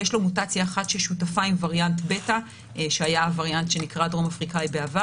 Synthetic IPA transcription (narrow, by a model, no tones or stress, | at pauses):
jeʃlo̞mutat͡sjaːχatʃelʃutafaimvaʁjantbe̞ta | ʃeajaːvaʁjantʃe̞nikʁadʁo̞mafʁikajbeava